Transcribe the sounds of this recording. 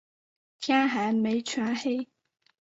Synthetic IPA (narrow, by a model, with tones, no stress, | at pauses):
t̪ʰjaː˥ɦa˨˥jme˨˥ɪt͡ʃʰwa˥he˥j